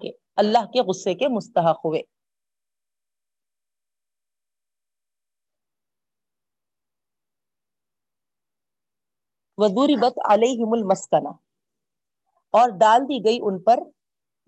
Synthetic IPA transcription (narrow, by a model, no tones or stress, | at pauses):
ke | ɐlːaɦkeɣʊsːekemʊst̪ɐɦəqɦʊʋeː | ʋɐzuːɾibɐt̪a̰leːɦɪmʊlmɐskɐna̰ | ɔːɾɖ̪aːld̪iɡɐiʔʊnpɐɾ